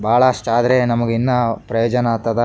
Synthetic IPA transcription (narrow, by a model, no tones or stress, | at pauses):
bʱaːɭɐɐʂʈaːd̪ɐɾenɐmɐɡinːɐpɾɐjoːd͡ʒɐnaːt̪ːɐd̪ɐ